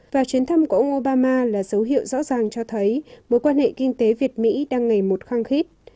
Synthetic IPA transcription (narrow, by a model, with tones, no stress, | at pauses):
vaː˨˩t͡ɕwi˨˦ənt̪ʰə˧mku˧˩˨ə˧wŋ͡mʔo˧ɓaː˧maː˧laː˨˩zə˨˦wɦḭ˧˨əwzɔ̰˧˥zaː˨˩ŋt͡ɕɔ˧t̪ʰə˨˦jmo˨˦jkwaː˧nhḛ˧˨kï˧ŋ̟t̪e˨˦vi˨˩ət̚mḭ˧˥ɗaː˧ŋːa˨˩jmo˨˩t̚xaː˧ŋxi˦˥t̚